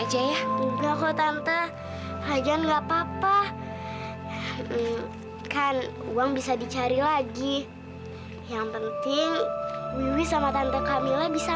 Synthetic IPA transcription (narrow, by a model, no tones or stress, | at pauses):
ad͡ʒajauɡakɔt̪ant̪a | ad͡ʒanŋɡaʔpapa | kan | ṵaŋbisadit͡ʃaɾilaɡi | jaŋpənt̪ɪŋwiwisamat̪ant̪akamilabisa